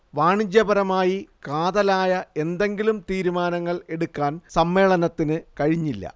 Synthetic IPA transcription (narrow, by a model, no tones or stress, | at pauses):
ʋaːɳid͡ʑjɐbɐɾɐmaːjikaːðɐlaːjɐe̞nd̪e̞ŋɡilumt̪iːɾumaːnɐŋːɐɭe̞ɽukːaːnsɐmːe̞ːɭɐnɐt̪ːinɨkɐɻiɲːilːɐ̰